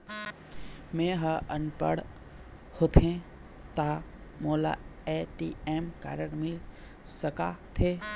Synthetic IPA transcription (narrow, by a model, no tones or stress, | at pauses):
mẽːɦəənpə̰ɽ | hot̪ʰẽ | t̪amoːla̰eʈḭeːmka̰ːɾəɾmɪl | səkat̪ʰeː